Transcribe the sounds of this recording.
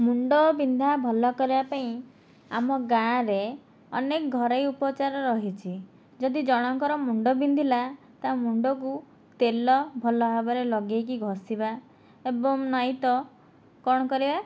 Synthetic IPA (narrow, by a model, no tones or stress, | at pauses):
muɳɖɔbind̪ʱabʱɔlɔkɔɾibapaĩ | amɔɡãɾe | ɔnekɔɡʱɔɾɔjupɔt͡ʃaɾɔɾɔɦit͡ʃʰi | d͡ʒɔd̪id͡ʒɔɽ̃ɔŋkɔɾɔmuɳɖɔbind̪ʱila | t̪amuɳɖɔk̬u | t̪elɔbʱɔlɔɦabɔɾelɔɡekiɡʱɔsiba | ebɔŋnɔjt̪ɔ | kɔɽ̃ɔkɔɾiba